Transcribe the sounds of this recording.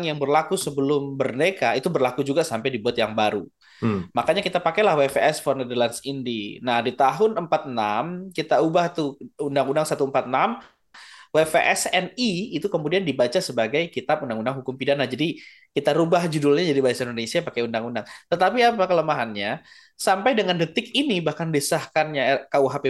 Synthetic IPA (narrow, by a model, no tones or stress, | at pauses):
ŋjaŋbərlakusəbəlʊmbərnekait̪ubərlakud͡ʒuɡasampajdibuat̪jaŋbaɾu | makaɲakit̪apakalahwefeɛsfɔrnɛdərlansindinahdit̪aɦʊnəmpat̪̚namkit̪aubaht̪uundaŋundaŋsat̪uəmpat̪̚nam | wefeʔɛsɛniit̪ukəmudiandibat͡ʃasəbaɡajkit̪ap̚undaŋundaŋɦukʊmpidanahd͡ʒadi | kit̪aɾubahd͡ʒudulɲad͡ʒadibaasaindonesiapakaundaŋundaŋt̪ət̪apiapakələmaɦanɲa | sampajdəŋandət̪ɪkinibahkanbesahkanɲakauɦape